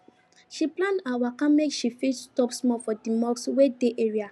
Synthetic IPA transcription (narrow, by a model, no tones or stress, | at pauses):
ʃiplãndawakãmekʃifistɔpsmɔfɔdimɔkswedeʔeɹia